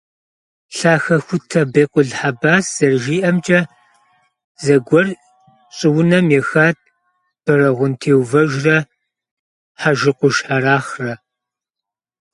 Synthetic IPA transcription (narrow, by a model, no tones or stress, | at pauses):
ɬaːxɐxʷʊtʰɐbeːqʷʼʊɮħabaːsz̥ɐrʒiːʔɐmt͡ʃʼɐ | zɐɡʷɔr | ɕʼɪwʊnɐmjɛxaːt̚ʰ | b̥ɐɾɐʁʷʊntʰeːwvɐʒrɐ | ħaʒɪqʷʊʃħaɾaːχrɐ